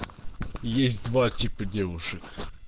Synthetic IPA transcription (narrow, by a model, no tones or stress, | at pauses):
jesʲtʲd̪vatʲipədʲevʊʂɨk